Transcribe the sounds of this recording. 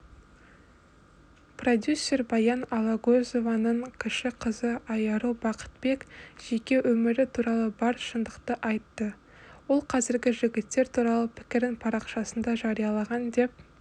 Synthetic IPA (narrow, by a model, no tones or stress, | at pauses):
pro̞d̪ʲjusʲːe̞rbɑjɑnɑlˠɑɡozo̞vɑnəɴkʲʰɪʃɪqʰəzəɑjɑɾubɑqə̥t̪̚be̞kʒ̥e̞kʲe̞wʔɵmɪɾɪt̪ʰuɾɑlˠəbɑɾʃənd̪əqt̪əʔɑjt̪ːə | wo̞lˠqʰɑzɪɾɡʲɪʒɪɡʲɪt̪ːe̞ɾt̪ʰuɾɑlˠəpʰɪ̥kʲɪɾɪnpʰɑɾɑqʃɑsənd̪ɑʒɑɾijɑlˠɑʁɑnd̪e̞p̚